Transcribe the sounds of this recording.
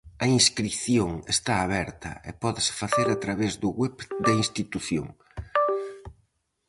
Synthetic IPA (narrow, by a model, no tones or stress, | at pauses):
ɐinskɾiθjoŋest̪aːβɛɾt̪ɐ̰ɪ̰pɔðɪsɪ̥faθeɾat̪ɾaβezðʊɣwɛpd̪ɐinst̪it̪uθjo̰ŋ